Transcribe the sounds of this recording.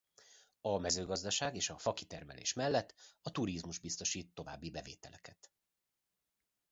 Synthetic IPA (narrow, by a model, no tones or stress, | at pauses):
ɒmɛzøːɡɒzd̪ɒʃaːɡeːʃɒfɒkit̪ɛrmɛ̰lḛːʃmɛlːɛt̪ːɒt̪uɾizmuʒbist̪o̞ʃiːt̪ːo̞va̰ːbːibɛvḛːt̪ɛlɛkɛt̪